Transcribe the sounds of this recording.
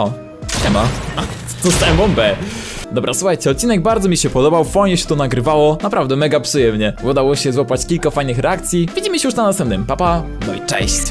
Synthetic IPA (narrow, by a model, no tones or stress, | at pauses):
ɔ | t̪ɛmaa | t̪ɔst̪ɛmbɔmbɛ | d̪ɔbɾasuxajt͡ɕɛɔt̪̚t͡ɕːinɛɡ̚baɾd̪zɔmʲiɕɛpɔd̪ɔbawfɔjɲɛɕɛ̥t̪ɔnaɡɾɘvawɔnapɾavd̪ɛmɛɡapʂɨjɛmɲɛud̪awɔɕɛzwɔpat͡ɕkʲilkafajnɘxɾʔɛakt̪sʲjivʲid͡ʑiməɕɛjuʂnanast̪ɛmp̚nɛmpapa | nɔḭt͡ʂɛ̰ɕt͡ɕ